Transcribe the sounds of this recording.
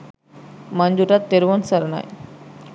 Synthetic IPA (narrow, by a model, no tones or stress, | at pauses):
mand͡ʑuʈat̪ːeɾʋonsəɾna̰j